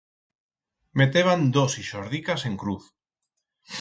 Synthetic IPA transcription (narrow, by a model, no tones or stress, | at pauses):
met̪eβ̞and̪osiʃoɾð̞ikaseŋkɾuθ